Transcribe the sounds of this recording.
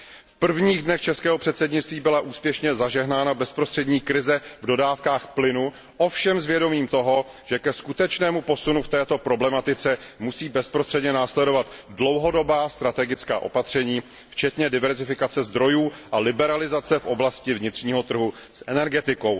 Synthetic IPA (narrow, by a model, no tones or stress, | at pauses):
fpr̩vɲiːɣdnɛxt͡ʃɛskɛːɦo̞pr̥ɛt̪sɛdɲɪt͡st̪viːbɪlaʔuːspjɛʃɲɛzaʒɛɦnaːnabɛspɾost̪r̥ɛdɲiːkɾɪzɛvdo̞daːfkaːxplɪnu | ʔofʃɛmzvjɛdo̞miːmt̪o̞ɦo | ʒɛkɛskut̪ɛt͡ʃnɛːmupo̞sunuft̪ɛːt̪o̞pɾo̞blɛmat̪ɪt͡sɛmusiːbɛspɾost̪r̥ɛdɲɛnaːslɛdovat̪dlo̞wɦo̞do̞baːst̪ɾat̪ɛɡɪt͡ska̰ːʔo̞̰pat̪r̝̥ɛɲiː | ft͡ʃɛt̪ɲɛdɪvɛɾzɪfɪkat͡sɛzd̪ɾo̞juːʔalɪbɛɾalɪzat͡sɛfʔo̞blascɪvɲɪt̪r̝̥ɲiːɦo̞t̪r̩ɦu | sʔɛnɛɾɡɛt̪ɪko̞w